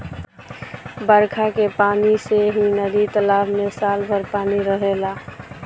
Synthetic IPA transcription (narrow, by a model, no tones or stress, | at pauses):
bəɾkʰakepaːniseɦinəd̪it̪əlaːbmesaːlbʱəɾpaːniɾəɦelaː